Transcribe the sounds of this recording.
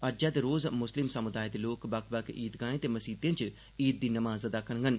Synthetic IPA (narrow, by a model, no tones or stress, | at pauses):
əɾd͡ʒãːd̪eːɾoːzmʊslɪmsəmʊd̪aːed̪eːloːkbəkbəkḭːt̪ɡãːẽːt̪eːməsiːt̪ẽːt͡ʃ | iːt̪̚d̪iːnəmaːzəd̪aːkʰənɡən